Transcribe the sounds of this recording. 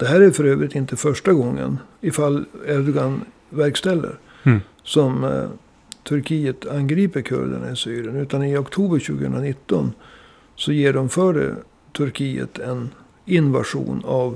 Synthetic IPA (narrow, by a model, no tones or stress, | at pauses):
d̪̥ɛɦæːɾæɾfœɾøːvɾɪt̪ɪnt̪əfœʂʈaɡɔŋːə̰nɪfalːɛɾd̪ɔɡan | væɾkst̪ɛlːə̰ɾ | sɔm | t̪ʰɵɾkʰiːət̪ʰanɡɾiːpəɾkʰɵ̰ɾd̪ə̰ɳa̰ɪsyːɾɪənʉ̟ːt̪anɪɔkt̪ʰuːbəɾɕʉ̟ːɡəhɵ̰nɾanɪt̪ːɔn | sɔjeːɖɔmfœːɖə̰ | t̪ʰɵɾkʰiːə̰t̪ʰɛn | ɪnva̰ʂṵːnav